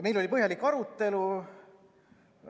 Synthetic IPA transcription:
me̞jlo̞lʲipɤɦjɑlikːɑɾut̪ːe̞lu

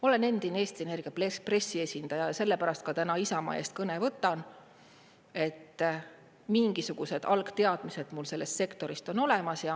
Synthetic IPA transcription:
o̞le̞ne̞nd̪̥inee̞ːst̪ie̞ne̞rɡ̥ijɑplespre̞sːie̞sʲind̪̥ɑjɑjɑse̞lːe̞pæɾɑst̪̚kɑt̪ænɑisɑmɑ̰eːst̪̚kɤne̞vɤt̪ːˑɑn | e̞t̪ː | miŋɡ̥isuɡ̥use̞d̪̥ʔɑlkt̪e̞ɑd̪̥mise̞d̪̥mulse̞lːe̞st̪se̞kt̪o̞ɾist̪o̞no̞le̞mɑsjɑ

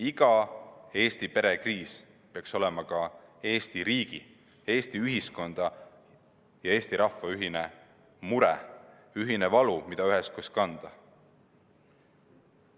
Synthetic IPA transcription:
iɡ̥ɑe̞ːst̪ipe̞ɾekriːs | peɑkso̞lɛmɑkɑe̞ːst̪iɾiːɡ̥i | e̞ːst̪iyɦisko̞nd̪̥ɑ | jɑe̞ːst̪iɾɑfːɑyɦine | muɾɛ̰ | yɦinevɑlumid̪ɑyɦeskuskɑnd̪̥ɑ

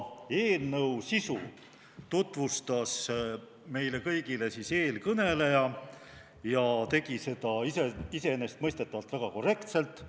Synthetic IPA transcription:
e̞ːlnɤwsisu | t̪ut̪ˑvust̪ɑs | me̞jle̞kɤjɡ̥ile̞siːse̞ːlkɤne̞lejɑ | jɑt̪e̞ɡ̥ise̞d̪̥ɑiseise̞nest̪̚mɤjst̪e̞t̪ːˑɑvɑlt̪v̥æɡ̥ɑko̞re̞kt̪se̞lt̪ːˑ

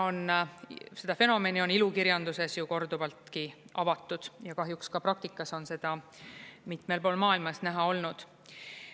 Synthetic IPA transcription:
o̞n | se̞d̪̥ɑfe̞no̞me̞nio̞nilukiɾjɑnd̪̥use̞sjuko̞rd̪̥uvɑlt̪kiʔɑvɑt̪ːˑud̪̥jɑkɑɦjukskɑpɾɑk̚t̪ikːˑɑso̞nse̞d̪̥ɑ | mit̪ˑmelpo̞ːlmɑːilmɑsnæɦɑo̞lnud̪̥

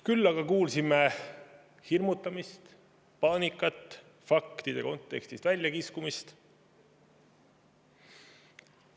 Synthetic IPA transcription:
kylːɑɡ̥ɑkuːlsime | hirmut̪ːˑɑmist̪ | pɑːnikːˑɑt̪ːˑ | fɑkt̪id̪̥e̞̰ko̞nt̪ːˑe̞kst̪ist̪vælʲjɑkiskumist̪

